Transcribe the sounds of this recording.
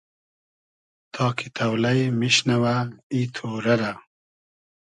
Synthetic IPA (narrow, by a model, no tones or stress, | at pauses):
t̪ʰɑːkʰit̪ʰɐwlɐjmiɕnɐwait̪ʰoːɾɐɾa